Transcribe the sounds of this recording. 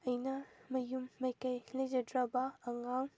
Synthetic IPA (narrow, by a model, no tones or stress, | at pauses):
ɐjnɐmɐjumːɐjkɐjlɐd͡ʒɐdɾɐbɐːŋaŋ